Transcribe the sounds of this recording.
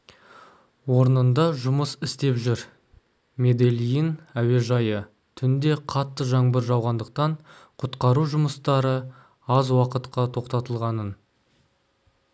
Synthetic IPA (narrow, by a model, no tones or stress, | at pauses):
wo̞ɾnənd̪ɑʒʊməsɪst̪e̞pʒʏɾ | me̞d̪elʲijənæwe̞ʒɑjə | t̪ʰʏnd̪e̞qʰɑt̪ːəʒɑɴbəɾʒɑwʁɑnd̪əq̚t̪ɑɴqʰʊt̪qɑɾuʒʊməst̪ɑɾə | ɑzwɑqət̪qɑt̪ʰo̞qt̪ɑt̪əlˠʁɑnən